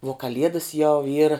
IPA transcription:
uɔ kɐˈlʲiɛdɐs jɛʊ ˈiːrɐ

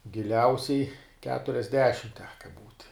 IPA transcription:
ɡʲɪˈlʲɛʊsʲɛɪ kʲɛtʊrʲɛzʲˈdʲæːʃʲɪm ˈtʲæːkɐ buːtʲ

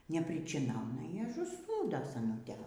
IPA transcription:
nʲɛpʲrʲɪt͡ʃʲɪˈnɐʊnɐ ɪr ɐʒʊˈsnuːdoː sɐˈnʊtʲeː

